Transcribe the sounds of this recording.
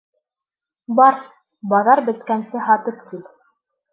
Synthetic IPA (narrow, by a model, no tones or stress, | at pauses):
bɑɾ | bɑðɑɾbɘ̆t̪kænsɘɦɑt̪ɤpt̪ip